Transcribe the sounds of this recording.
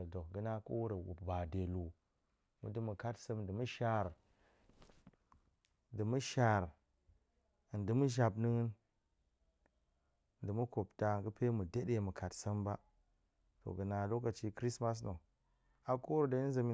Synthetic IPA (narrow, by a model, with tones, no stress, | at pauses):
do˨ɡɨ˦na˦ko˦wu˦ɾə˨wṵ˨bba˨de˨lu˨ | mṵ˨dɨ˦mu˨ka˦tsə˦mdɨ˨mu˦ʃa˨ɾ | dɨ˨mu˦ʃa˨ɾ | ndɨ˨mu˦ʒa˨bnɨ˦ŋ˦n˨ | dɨ˨mu˦ko˨pta˨ɡɨ˦pe˦mu˨de˦ɗe˨mu˨ka˨tsə˦mba˦ | to̰˨ɡə˨na˨lo˦ka˨t͡ʃi˦kɾi˦sma˦s̬no˨ | a˨ko˦wu˦ɾda˨˦za˨mi˦